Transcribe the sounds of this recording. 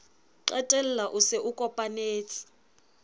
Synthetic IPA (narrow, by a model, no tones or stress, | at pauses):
ǃɛtʼɛl̩laʔusɛʔukʼɔpʼaneːt͡sʰʼi̥